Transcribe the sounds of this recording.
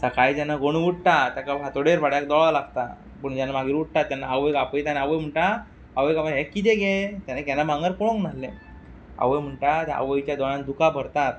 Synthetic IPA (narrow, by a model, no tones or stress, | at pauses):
səkajd͡ʑanːaɡoɽ̃ʋuʈ̚ʈ̪at̪jakapat̪oɽeɾpaɽjak̚d̪ɔɭalaɡt̪a | pəɳd͡ʑanːamaɡiːɾʋuʈ̚t̪at̪ːjanːaaʋəjkapəjt̪anaaʋəjm̤əɳʈa | aʋəjkamɦekːit̪̬ɛɡɛt̪janakjanːabãŋɡəɾkɔɽõŋknalːẽ | a̰ʋəjm̤əɳʈat̪ɛʔa̰ʋəjt͡ɕjad̪ɔɽãnd̪ukabʱəɾt̪at̪̚